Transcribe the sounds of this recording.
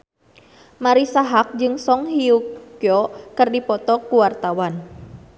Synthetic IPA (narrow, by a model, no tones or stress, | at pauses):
maɾisaɦak̚d͡ʒɨŋsɔŋɦiukkjɔkɨrdipɔt̪ɔkuwart̪awan